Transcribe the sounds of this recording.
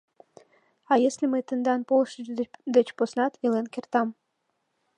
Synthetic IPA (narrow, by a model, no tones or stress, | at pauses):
ɑjeslʲemət̪ənd̪ɑnpolˠʃəʒd̪et͡ɕposnɑt̪elenkʲert̪ɑm